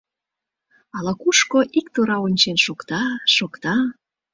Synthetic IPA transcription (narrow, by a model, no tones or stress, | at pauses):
ɑlɑkuʃkoʔikt̪oɾɑonʲt͡ɕenʃokt̪ɑʃokt̪ɑ